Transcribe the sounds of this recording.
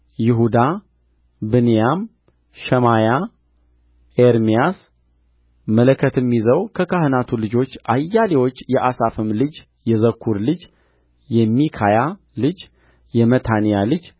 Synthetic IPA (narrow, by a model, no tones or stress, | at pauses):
jɪɦud̪a | bɨnijam | ʃɛmaja | eɾmijas | mələkʰːət̪ɨmːizəwkʰəkʰahɨnat̪ʰulɨd͡ʒo̞t͡ʃːʔajːalewo̞t͡ʃːjɛʔasafɨmlɨd͡ʒ | jɛzəkʰːuɾlɨd͡ʒ | jɛmːikʰaja | lɨd͡ʒ | jɛmət̪ʰanijalɨd͡ʒ